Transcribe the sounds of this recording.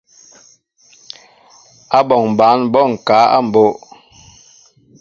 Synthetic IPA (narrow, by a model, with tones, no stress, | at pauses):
a˦bɔ˨ŋ˨ba˨˦nbɔ˦˨ŋ̩˨ka˨˦a̰˦˨m̩˨bo˦ʔ